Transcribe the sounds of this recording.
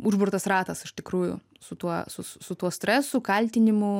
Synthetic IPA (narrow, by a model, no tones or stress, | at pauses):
ʊʒbʊrt̪ɐsrɑːt̪ɐsɪʃt̪ʲɪkɾuːjʊ̰ | sʊt̪uɔsʊssʊt̪uɔsʲt̪ʲɾʲɛsʊkɐlʲt̪ʲɪnʲɪmʊ